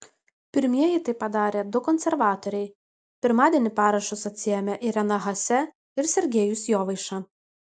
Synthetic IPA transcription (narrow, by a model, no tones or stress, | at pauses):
pʲɪɾʲmʲiɛjɪt̪ɐɪpːɐd̪ɑːɾʲeːd̪ʊkɔnʲsʲɛɾʋɑːt̪ɔɾʲɛɪ | pʲɪɾmɑːd̪ʲiɛnʲɪpɑːɾɐʃʊsɐt̪ʲsʲɪjɛmʲɛʔɪɾʲɛnɐɣɐsʲɛ | ɪɾsʲɛɾʲɡʲeːjʊsjoːʋɐɪʃɑ